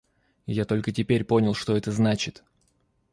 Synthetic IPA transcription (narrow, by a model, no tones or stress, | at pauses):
jat̪o̞lʲkətʲɪpʲeɾʲpo̞nʲɪlˠʂt̪o̞ɛt̪əznat͡ɕɪt̪